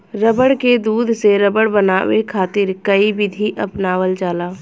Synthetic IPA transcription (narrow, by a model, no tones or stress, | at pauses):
ɾəbəɽked̪uːd̪ʱseɾəbəɽbənaːʋekʰaːt̪ɪɾkəibɪd̪ʱiʔəpnaːwəld͡ʒaːlaː